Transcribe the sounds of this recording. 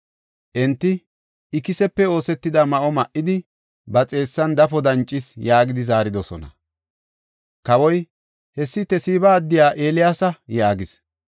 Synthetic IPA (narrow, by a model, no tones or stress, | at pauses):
ʔɛnt̪ːɪ | ɪkɪsɛpːɛo̞ːsɛt̪ːɪd̪ɐmɐʔɔmɐʔːɪd̪ɪ | bɐt͡sʼe̞ːsːɐnd̪ɐfɔd̪ɐnt͡ʃʼːɪsjaːɡɪd̪ɪzaːɾɪd̪ɔsɔ̰nɐ̰ | kɐwɔj | hɛsːɪt̪ɛsiːbɐːd̪ːɪjaːʔe̞ːlɪjaːsɐjaːɡɪs